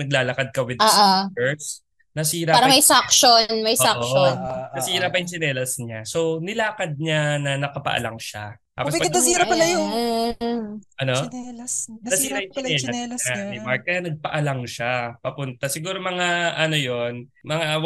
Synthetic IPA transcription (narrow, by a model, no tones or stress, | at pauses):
nɐɡ̚laːlɐkad̪̚kɐwɪd̪aʔaɛɹs | nɐsiːɾɐpaːɾɐmɐjsakʃonmɐjsaonnɐsiːɾɐpɐjʊŋsɪnɛːlɐsɲaso̞wnɪlaːkɐd̪̚ɲanɐnɐkɐpɐ̰ʔɐ̰la̰ŋʃa̰t̪a̰ːospɐɐɐiːɾɐpɐlɐjon̩ː | ʔɐno | nɐsiːɾɐjʊsɛːlɐanɪmaɹk̚kːɐjanɐɡ̚pɐʔɐlaŋʃapɐpʊnt̪ɐsɪɡuːɾo̞mɐŋaʔɐno̞jo̞nmɐŋaw